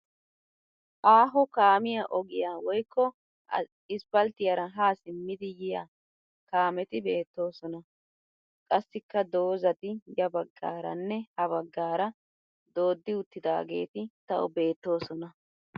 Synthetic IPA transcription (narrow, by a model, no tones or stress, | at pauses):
ʔaːɦɔkaːmɪjaʔɔɡɪjaːwɔjkʰːɔ | ɪspɐlt̪ɪjɐɾɐɦaːsɪmːɪd̪ɪjɪja̰ | kaːmɛt̪ɪbe̞ːt̪ːo̞ːsɔnɐ | kʼɐsːɪkːɐd̪o̞ːzɐt̪ɪjɐbɐɡːa̰ːɾɐ̰nːɛhɐβɐɡːaːɾɐ | d̪o̞ːd̪ːɪʊt̪ːɪd̪a̰ːɡe̞̰ːt̪ɪt̪ɐʔɔ̰be̞ːt̪ːo̞ːsɔnɐ